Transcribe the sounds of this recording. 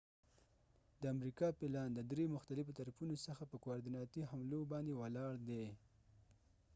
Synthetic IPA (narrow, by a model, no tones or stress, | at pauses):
d̪əamɾikɑpɪlɑnd̪əd̪ɾemʊxt̪alɪfot̪aɾafunosəxapəkwaɾd̪inɑt̪iɦamlobɑnd̪ewalɑɽd̪e